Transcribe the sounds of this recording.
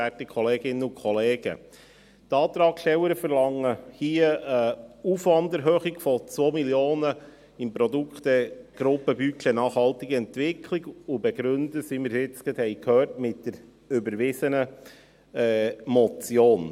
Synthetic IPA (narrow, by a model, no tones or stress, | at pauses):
ætikʰχɔleːɡɪnːəʊkʰχɔleːɡ̥ə̰ | t̪ɑːt̪ɾɑːkʃtɛwəɾəfəɾlɑŋːəhiəəufʋɑndəɾɦøːχiɡ̥fɔt͡sʋoːmiljoːnə | ɪmpɾɔduktɛɡ̥ɾʊpːəbykənɑːχhɑltiɡəɛntʋɪkʰliɡʊbɛɡɾʉnd̪əsiməɾsɪt͡skɛdhɛjkʰhœːrtmɪtd̥əɾ | ʏbəɾʋɪsənə | ɛmɔt͡sjoːn